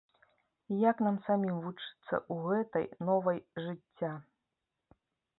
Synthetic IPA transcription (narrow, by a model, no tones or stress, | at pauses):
ijaknamsamʲimvut͡ʂɨ̥t̪sːɐ̰ʔuɣɛt̪ɐ̰jnɔvɐjʐɨt͡sʲːa